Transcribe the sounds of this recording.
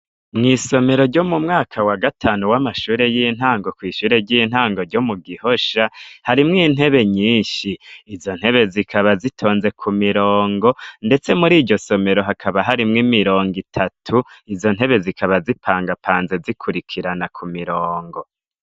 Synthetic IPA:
mŋiːso̞me̞ɾo̞ɾɟo̞mumŋaːkʰawaɡatʰaːnuwamaʃuːɾe̞jin̥haːŋɡo̞kwiːʃuːɾe̞ɟin̥haːŋɡoɾɟo̞muɡiho̞ʃahaɾimŋiːn̥e̞βe̞ɲiːnʃiːzo̞n̥he̞βe̞zikʰaβazitʰo̞ːnze̞kʰumiɾoːŋɡo̞nde̞t͡se̞muɾiːɟɟo̞so̞me̞ɾo̞ɦakʰaβaɦaɾimŋimiɾo̞ːŋɡitʰatʰuizo̞n̥ɦe̞βe̞zikʰaβazipʰaːŋɡapʰaːnze̞zikʰuɾikʰiɾanakʰumiɾoːŋɡo

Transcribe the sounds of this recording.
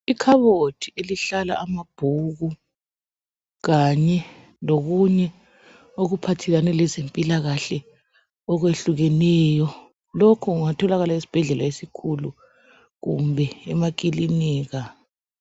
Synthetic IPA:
ikʰaβotʰieliɬala̰amab̥ʱuɣu | ɣaɲɛ | loɣuɲɛ | oɣupʰatʰɛlanɛlɛzempʼilaɣaɬɛ | ɔɣweɬuɣɛnɛːjɔ | lokʰɔɣuŋatʰɔlaɣalaisi̥b̥ʱɛɮɛlaesikʰulu | ɣṵmbʱɛɛmak̬ʼiliniːɣa

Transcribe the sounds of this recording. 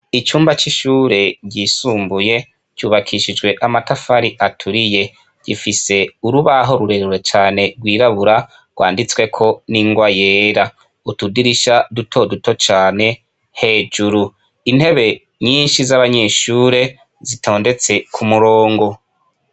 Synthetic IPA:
it͡ʃuːmbat͡ʃiʃuːɾe̞ɟɟiːsuːmbuje̞ | t͡ʃuːβakʰiʃid͡ʒɡwe̞ʔamatafaɾiʔatʰuɾije̞ | ɟ̥ifise̞uɾuβaɦo̞ɾuɾe̞ɾɾwe̞t͡ʃaːne̞ɡwiːɾaβuɾa | ɡ̥wa̰ːndit͡swe̞kʰo̞niŋɡwaje̞ːɾa | utudiɾiʃadutʰo̞duto̞t͡ʃaːne̞ | he̞ːd͡ʒuɾu | in̥he̞βe̞ | ɲiːnʃizaβaɲe̞ːʃuːɾe̞ | zitʰo̞ːnde̞t͡se̞kʰumuɾoːŋɡo̞

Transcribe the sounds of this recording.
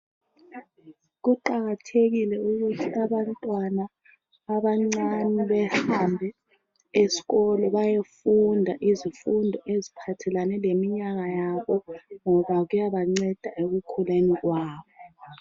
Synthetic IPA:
ɣuǃaɣatʰeɣilɛuɣutʰiaβantʼwanaː | βaŋ͡ǀaniβɛhambʱɛ | esi̥ɣɔlɔβajefundʱaʔizifundʱɔʔezipʰatʰɛlanɛlemiɲaɣajaβɔŋɔβaɣujaβaŋ͡ǀɛd̥ʱaʔeɣukʰuleniɣwaːβɔ

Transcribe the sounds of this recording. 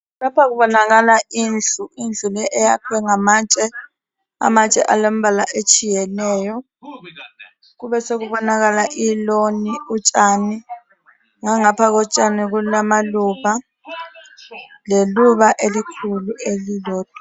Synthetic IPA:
lapʰak̬uɓɔnak̬alaind͡ɮʱuind͡ɮʱulɛʔɛjakʰwɛŋamaːt͡ʃʼɛ | a̰mat͡ʃʼɛ̰ʔalom̩ɓalaʔet͡ʃʰʼijɛnɛːjɔ | k̬uɓɛsek̬uɓɔnak̬alaʔiloniut͡ʃʼani | ŋaŋapʰak̬ɔt͡ʃʼanik̬ulamalupa | leluɓaʔelikʰuluelilɔːd̥̚ʼʱa

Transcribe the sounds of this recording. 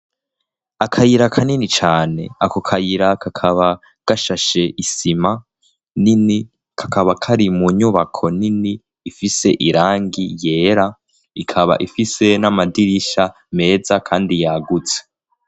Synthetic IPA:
akʰajiɾakʰaninit͡ʃaːne̞akokʰajiɾakʰakʰaβa | ɡ̥aʃaʃe̞ʔisima | nini | kʰakaβakʰaɾimuɲuβakʰo̞niniː | fise̞ʔiɾaːŋɡije̞ːɾa | ikʰaβa̰ʔifise̞namadiɾiʃa | me̞ːzakʰaːndijaːɡut͡se̥

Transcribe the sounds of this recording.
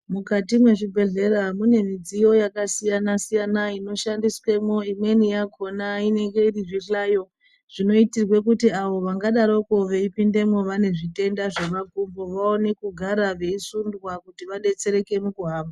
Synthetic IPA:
mukatimwe̞ʐibʱe̞ɮe̞ɾamune̞mid͡zijo̞jakasijanasijanaino̞ʃandiswe̞mo̞imwe̞nijakʰo̞naine̞ŋɡe̞iriʐiɬaːjo̞ | ʐ̥ino̞itirwe̞kutiaʋo̞ʋaŋɡaɗaɾo̞koʋeipinde̞mo̞ʋane̞ʐite̞ndaʐeʋakumboʋao̞ne̞kuɡʱaɾaʋe̞isundwakutiʋaɗe̞t͡se̞ɾe̞ke̞mukuɦaːmba

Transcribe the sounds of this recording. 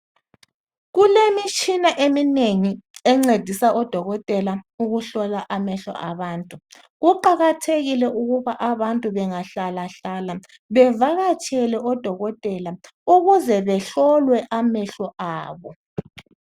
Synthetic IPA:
ɣulemit͡ʃʼʰinaʔemineŋiɛŋ͡ǀed̥ʱisaʔɔd̥ʱɔɣɔtʼɛlauɣuɬɔlaʔamɛɬɔ̰ʔaβaːntʼu | ɣuǃaɣatʰeɣilɛʔuɣuβaʔaβantʼuβɛŋaɬalaɬala | βɛvaɣat͡ʃʼɛlɛʔɔd̥ʱɔɣɔtʼɛla | uɣuzɛβɛɬɔlwɛʔamɛɬɔʔaːβɔ

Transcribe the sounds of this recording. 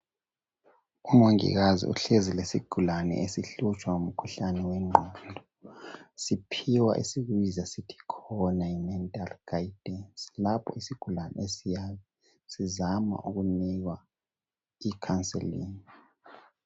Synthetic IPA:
umoŋḭɣazḭṵɬezilesiɡ̥ʱulanɛ̰ʔesiɬut͡ʃʼwaum̩kʰuɬanɛwɛŋ͡ǃʱɔndʱɔ | sipʰiwa̰ʔḭsiɣwizasitʰi̥kʰɔnaimɛntʼalɡ̥aid̥ʱɛnslapʰɔ̰isiɡ̥ʱulanɛ̰esijaːβɛ | sizama̰ʔuɣuniɣwa | ikʰansʼḛlḭːni

